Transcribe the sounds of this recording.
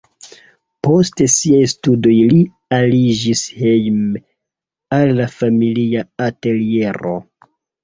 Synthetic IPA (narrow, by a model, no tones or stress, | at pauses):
po̞ste̞siajstudo̞jli | alid͡ʒishejm | alːafamiliaate̞lie̞ɾo̞̰